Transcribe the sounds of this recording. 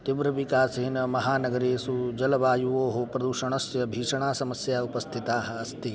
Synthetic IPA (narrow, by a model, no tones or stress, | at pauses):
t̪iʋɾɐʋikaːseːnɐmɐɦaːnɐɡɐɾeːsud͡ʒɐlɐʋaːjuʋoːɦopɾɐd̪uʃɐɳɐsjɐbʱiːʂɐɳaːsɐmɐsjaːupɐst̪ʰit̪aːɦɐ̆ɐst̪i